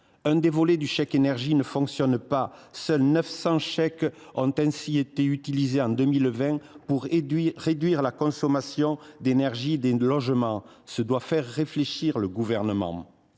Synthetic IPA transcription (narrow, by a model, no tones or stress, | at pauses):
ɛ̃d̪evɔled̪yʃɛkenɛʁʒinəfɔ̃ksjɔnpasœlnœfsɑ̃ʃɛk | ɔ̃t̪ɛ̃siet̪eyt̪ilizeɑ̃d̪əmilvɛ̃puʁiʁed̪ɥiʁlakɔ̃sɔmasjɔ̃d̪enɛʁʒid̪elɔʒəmɑ̃ | səd̪wafɛʁːefleʃiʁləɡuvɛʁnəmɑ̰̃